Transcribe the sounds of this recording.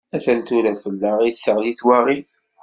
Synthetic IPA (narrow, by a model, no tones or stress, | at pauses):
æθænt̪uɾænfəlːaʁiθsəʁliθwaʁiθ